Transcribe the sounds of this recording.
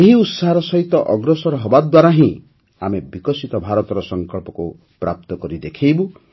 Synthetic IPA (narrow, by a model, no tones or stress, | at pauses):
eɦiut̪saɦaɾɔsɔɦit̪ɔʔɔɡɾɔsɔɾɔɦɔbad̪waɾaɦĩ | amebikɔsit̪ɔbʱaɾɔt̪ɔɾɔsɔŋkɔɭpɔku | pɾʔap̚t̪ɔkɔɾid̪ekʰejbu